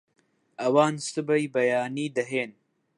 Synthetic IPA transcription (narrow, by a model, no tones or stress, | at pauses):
ɐwɑːnsɨbɐjbɐjaːniːd̪ɐɦeːn